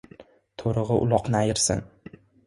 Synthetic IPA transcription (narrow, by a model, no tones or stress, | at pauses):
t̪ʰoɾɨʁɨʔʊ̰lˠɒqnɪajɪɾsɪ̰n